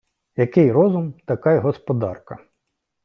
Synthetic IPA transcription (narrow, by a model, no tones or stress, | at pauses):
jɐkɪjrɔzʊmt̪ɐkɑjɦɔspɔd̪ɑrkɐ